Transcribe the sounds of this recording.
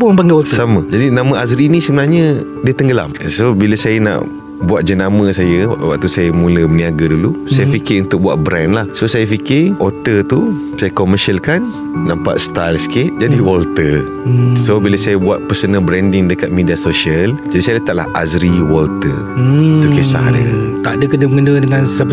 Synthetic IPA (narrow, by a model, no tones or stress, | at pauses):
bupaŋɡɛwɔlsamə̃d͡ʒadinãmə̃azɾinisəbənarɲə | diət̪əŋɡəla̰msobiləsajəna̰ʔ | buat̪̚d͡ʒənamə̃sajəwʔwa̰ʔ̚t̪usajəmũləməniaɡadulusajafikɪrunt̪ʊk̚buaʔ̪̚bɾɛnlahsosajafikɪrʔot̪ət̪u | sajəkoməʃalkanː | ãmpa̰ʔst̪ajlskɪt̪̚d͡ʒadiwɔlt̪ər | sobiləsajəbuat̪̚pəsənəbɾɛndɪŋdəkat̪̚mediasoʃiəld͡ʒadisajat̪aʔlahʔazɾiwɔlt̪ə | t̪ukesa̰dət̪aʔdəkədəbŋənədəŋãnsap